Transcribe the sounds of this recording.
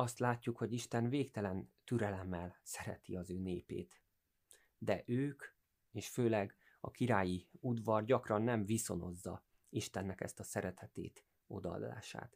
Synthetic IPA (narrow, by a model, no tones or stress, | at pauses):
ɒst̪laːcːukho̞ɟiʃt̪ɛnveːkt̪ɛlɛnt̪yɾɛlɛmːɛlsɛɾɛ̰t̪iɒzøːneːpḛːt̪ | d̪ɛʔøːk | eːʃføːlɛɡ | ɒ̰kiɾaːjiud̪ʋɒrɟɒkrɒnːɛɱviso̞no̞zːɒ̰ | iʃt̪ɛnːɛkɛ̰st̪ɒsɛɾɛt̪ʰɛt̪ḛːt̪ | o̞d̪ɒɒ̰d̪ːa̰ːʃa̰ːt̪